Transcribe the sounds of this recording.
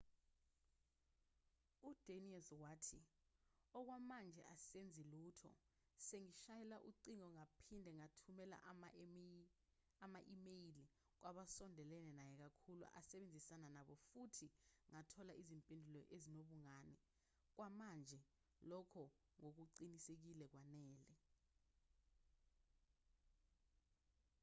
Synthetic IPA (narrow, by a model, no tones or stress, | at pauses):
ud̥ʱeniɛlzwaːtʰi | ɔk̬wamand͡ʒʱɛ̰ʔasend͡zʱiluːtʰɔ̰ | seŋiʃajɛlaʔuǃiŋɔŋapʰindʱɛŋatʰumɛla̰ʔ | amaʔimejili | k̬wʔaɓasɔndʱɛlɛnɛnajɛk̬akʰulṵʔa̰sɛɓend͡zʱisananaɓɔfutʰiŋatʰɔlaʔizimpʼindʱulɔʔezinoɓuŋaːnɛ | k̬wʔamand͡ʒʱɛ | lɔkʰɔ | ŋok̬uǀinisek̬ilɛk̬wanɛːlɛ